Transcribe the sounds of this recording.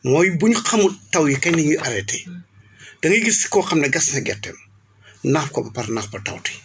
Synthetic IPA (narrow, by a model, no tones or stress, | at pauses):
mɔːjibuɲuxɐmutɐwjikɐɲnɐŋiʔɐɾɛtɛ | d̥ɐŋjiɡiɾsi̥kɔːqɐmnɐɡɐsnɐɡɛ̰tːɛ̰m | nafkɔbɐpɐɾnaxbɐtɐ̰wti̥